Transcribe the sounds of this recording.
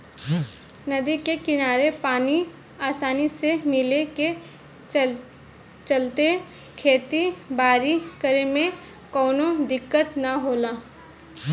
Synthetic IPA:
nɐd̪ikekɪnaːɾepaːni | aːsaːnisemɪleke | t͡ʃəlt̪e | kʰeːt̪ibaːɾikəɾemẽ | kɔːnod̪ɪkːət̪naɦoːlaː

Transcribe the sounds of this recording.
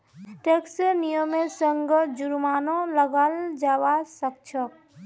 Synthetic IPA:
ʈeksnijəmẽsəŋɡəd͡ʒuɾmaːnõləɡald͡ʒaʋasək̚t͡ʃʰək

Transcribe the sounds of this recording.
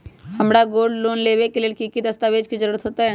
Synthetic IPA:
hɐmɽaɡoːɾɖloːnleːʋekeleːlkikid̪əst̪aːʋeːd͡ʒkid͡ʒəɾuːɾət̪ɦoːt̪aɦɛː

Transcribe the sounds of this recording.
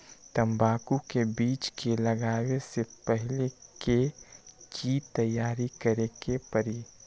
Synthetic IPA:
t̪ə̃mbaːkukebiːt͡ʃkelɐɡaːwesepəɦɪlekekʰit̪əjːaːɾikəɾekepəɾi

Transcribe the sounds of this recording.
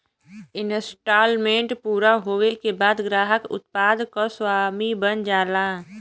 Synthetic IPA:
ɪnsʈaːlmẽːɳʈpuːɾaɦoːwekebaːd̪ɡɾaːɦəkʊ̰t̪̚paːd̪koswaːmibənd͡ʒaːlaː

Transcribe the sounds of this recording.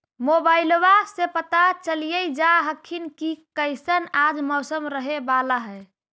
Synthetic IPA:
mobailwasepət̪at͡ʃəlijəjd͡ʒaɦəkʰːinkikəɪsənad͡ʒmɔwsəmɾəɦebalaɦɛ

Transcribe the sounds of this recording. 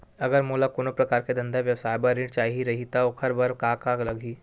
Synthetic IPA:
ɐɡəɾmoːlakoːnõpɾɐkaːɾked̪ɐ̃nd̪aʋjɐwsaːjbaɾɪ̃ɖt͡ʃaːɦiɾɐɦit̪aokʰɐɾbɐɾkaːkaːklɐɡʱiː

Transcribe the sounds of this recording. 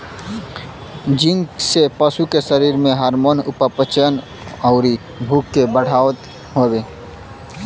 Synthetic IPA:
d͡ʒɪ̃ŋɡsepəsukesəɾiːɾmẽɦaːɾmoːnʊpəpət͡ʃən | ɔʊɾi | bʱuːkːebəɽ̤aːwt̪ | ɦoːbeː

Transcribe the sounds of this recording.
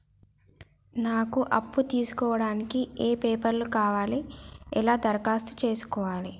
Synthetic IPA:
naːkuʔɐpːut̪iːsu̥kɔːʋɐɽaːnikieːpeːpɐɾlukaːʋaːliɛlaːd̪ɐɾɐkaːst̪u̥t͡ʃe̞ːsu̥kɔːʋaːli

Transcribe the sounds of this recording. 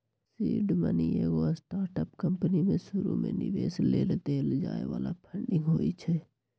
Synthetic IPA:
siːɖmənieɡoasʈaːɾʈəpkə̃mpənimẽʃʊɾṵmḛ̃nɪ̰ʋeːsleɾet̪eld͡ʒaːḛʋaːlapʰə̃ɳɖɪ̃ŋɡɦoːit͡ʃʰɛ

